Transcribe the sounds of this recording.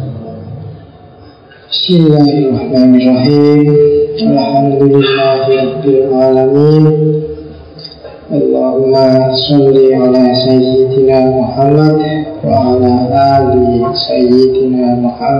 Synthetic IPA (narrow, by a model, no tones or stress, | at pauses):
bɪsmɪlːaːharˤːɑħmaːnɪrˤːɑħiːmalħamd̪ʊlɪlːaːhɾˤɑbːɪlʕaːlamiːn | ʔalːaːhʊmːasɑlːiʕalaːsajːɪd̪naːmʊħamːad̪wa̰ʕalaːʔaːlisajːɪd̪naːmʊħamː